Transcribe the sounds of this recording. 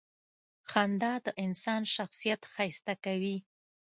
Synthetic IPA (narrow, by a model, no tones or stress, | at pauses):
xand̪ɑd̪əʔɪnsɑnʃaxsijat̪xajst̪akawi